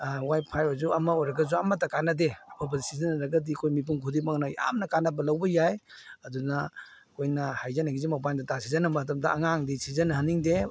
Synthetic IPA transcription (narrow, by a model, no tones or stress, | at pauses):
wajpʰajɔzuɐmɐojɾɐɡɐzuɐmɐtɐkanɐdeɐpʰabɐzisizɐnɾɐɡɐdikʰojmip̬unkʰudimaŋnɐja̰mnɐkanɐbɐlawbɐjajɐdunɐ | kʰojnɐhajzanaɡizimapandɐtasizɐnɐbɐtɐmdɐːŋaŋdisizɐnhaniŋde